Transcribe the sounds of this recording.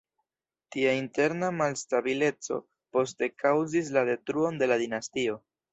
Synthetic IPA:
tiainte̞ɾnamalstabile̞t͡so̞̰ | po̞ste̞kʰawzis̬lade̞tɾuo̞nde̞ladinastio̞

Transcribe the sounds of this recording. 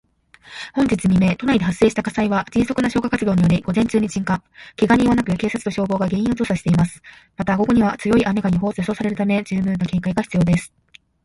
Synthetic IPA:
hõ̞ɲ̟d͡ʑit͡sɨmʲime̞t̪o̞naid̪e̞ɦase̞ːɕi̥t̪akasaiβad͡ʑĩɰso̞kɯ̟naɕo̞ːkakat͡sɨd̪o̞ːɲ̟ijo̞ɾʲiɡ̥o̞zẽ̞ɲ̟t͡ɕɨːɲ̟it͡ɕĩŋkãkiɡaɲ̟ĩβanakɯ̟ke̞ːsat͡sɨ̥t̪o̞ɕo̞ːbo̞ːɡaɡe̞ɰ̃ĩot͡so̞ːsaɕi̥t̪e̞imasɨ̥ | mat̪aɡo̞ɡo̞ɲ̟iβat͡sɨjo̞iʔame̞ɡaɲ̟iɦo̞ːseso̞ːsaɾe̞ɾɯ̟t̪ame̞d͡ʑɨːmɯ̟ːnoke̞ːkaiɡaçi̥t͡sɨjo̞ːd̪e̞sɨ̥

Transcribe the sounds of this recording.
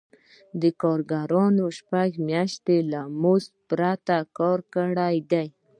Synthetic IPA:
d̪əkɑɾɡaɾɑnoʃpaɡmjɑʃt̪elamospɾat̪akɑɾkəɽajd̪aj

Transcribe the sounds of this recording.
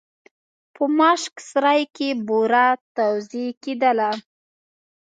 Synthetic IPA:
pʰəmɑʃksɾajkeboɾat̪awziked̪əla

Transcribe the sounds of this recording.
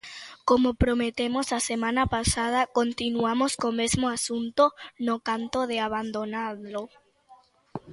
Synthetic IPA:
komopɾomet̪emosasemãnapasað̞akont̪inuamoskomezmoasunt̪onokant̪oðeaβand̪onaðlo

